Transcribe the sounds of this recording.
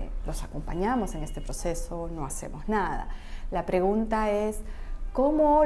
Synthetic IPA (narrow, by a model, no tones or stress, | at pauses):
lo̞sako̞mpaɲamo̞se̞ŋe̞st̪e̞pɾo̞se̞so̞no̞ase̞̰mo̞znaða̰lapɾe̞ɣunt̪aesko̞mo